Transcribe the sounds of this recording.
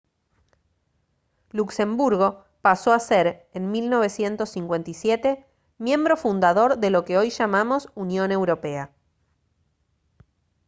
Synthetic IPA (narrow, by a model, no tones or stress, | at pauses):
lukse̞mbuɾɣo̞ | paso̞aseɾenmilno̞β̞e̞sje̞nt̪o̞sːiŋkwe̞nt̪isjet̪e̞ | mjẽ̞mbɾo̞fund̪aðo̞ɾðe̞lo̞keo̞jʃamamo̞sunjo̞ne̞wɾo̞pe̞a